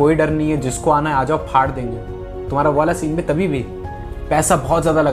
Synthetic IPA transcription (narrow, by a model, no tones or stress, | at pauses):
oːiɖɐɾnɐɦĩɦɛd͡ʒɪskoaːnaaːd͡ʒaːopʰaːɽd̪ẽːŋɡeː | t̪ʊm̤aːɾaʋaːlasiːnbʱĩt̪ɐbʱibʱi | pɛːsabɔːt̪zjaːd̪alɐɡ